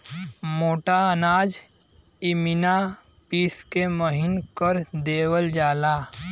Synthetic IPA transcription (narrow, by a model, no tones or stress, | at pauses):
moːʈaənaːd͡ʒ | ɪmɪna | piːskeməɦɪnkəɾd̪eːwəld͡ʒaːlaː